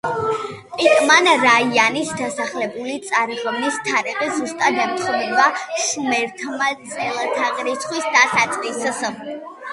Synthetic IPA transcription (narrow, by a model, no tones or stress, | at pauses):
pʼit̪ʼmanɾaianisd̪asaχlɛbulit̪sʼaɾiʁmnist̪ʰaɾɛqʼizust̪ʼad̪ɛpt̪ʰχunɛbaʃmɛɾk̪ʰmazɛlˠt̪ʰaqʼɾit̪sʰχwisd̪asat̪sʼqʼiss